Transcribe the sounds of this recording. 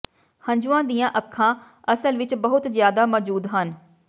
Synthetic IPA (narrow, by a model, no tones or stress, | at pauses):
həɲd͡ʒuãːd̪ijãːʔəkʰːãː | əsəlʋɪt͡ʃbəɦʊt̪zjaːd̪aːmɔːd͡ʒuːd̪ɦən